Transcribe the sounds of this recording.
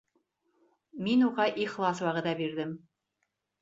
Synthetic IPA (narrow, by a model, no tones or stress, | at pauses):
minuʁɑʔiχlˠɑswɑʁɤ̆ðɑbiɾðɘm